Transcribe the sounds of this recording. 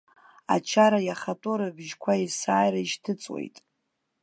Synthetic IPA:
a̰t͡ʃʰaɾajaχatʼoɾɨbʒkʷʰaisaːjɾaiʃtʰɨt͡sʼwḛjtʼ

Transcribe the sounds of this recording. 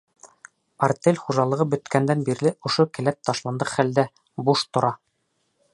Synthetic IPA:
ɐrt̪ʲelʲχuʒɑlˠɤ̆ʁɤbɵ̆t̪kænd̪ænbiɾlɘŏʃokɘ̆læp̚t̪ɑʃlˠɑnd̪ɤqχæld̪æ | buʃt̪ŏɾɑ

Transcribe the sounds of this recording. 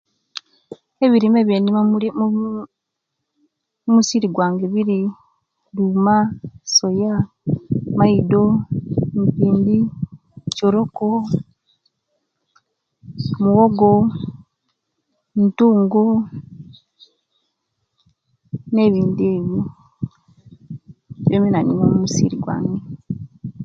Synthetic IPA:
eβiɾimeβjenimamuu | umusiɾiɡwaːŋɡeβiɾi | lumasoja | maido̞mpiːndi | coɾoko | muɣoɡo | ntuːŋɡo | ne̞ːβiːndie̞ːβjo | βjeminaninomumusḭɾḭɡwa̰ːŋɡe

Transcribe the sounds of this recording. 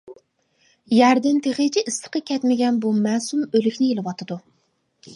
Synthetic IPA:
jɛɾd̪ɪnt̪ʰeχet͡ʃʰiʔːst̪ɨ̥qɑkʲɛt̪mɪɡʲɛnbumɛːsumølykʲnɪjelɨwɑt̪ʰɨd̪u

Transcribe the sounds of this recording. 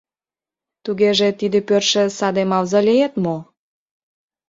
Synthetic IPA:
t̪uɣeʒĕt̪id̪epørʃĕsɑd̪emɑwzɑlijet̪mo

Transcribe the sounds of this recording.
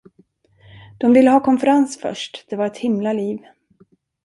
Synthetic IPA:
d̪̥ɔmvɪlːəɦɑːkʰɔnfəɾansfœ̰ʂʈd̪̥ɛvaɾɛt̪hɪmlaliːv

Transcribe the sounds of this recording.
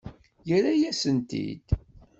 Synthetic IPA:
jəɾæjæsənt̪ḭd̪̥

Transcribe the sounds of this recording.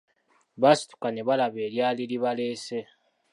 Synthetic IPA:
βasi̥tu̥kaneβalaβe̞ːljaːliliβale̞ːse

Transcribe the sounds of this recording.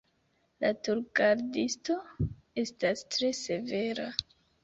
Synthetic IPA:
latuɾɡaɾdisto̞ | e̞stastɾe̞se̞ve̞ɾa

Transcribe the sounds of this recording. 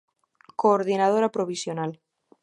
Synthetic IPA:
koːɾð̞inað̞oɾapɾoβisjonal

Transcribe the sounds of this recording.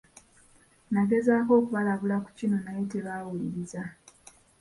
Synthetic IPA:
nake̞zaːko̞ːkuβalaβulaku̥cino̞najeteβaːwuliɾiza

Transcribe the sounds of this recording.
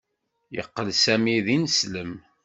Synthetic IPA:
jə̰qːəlsæmiðinəsləm

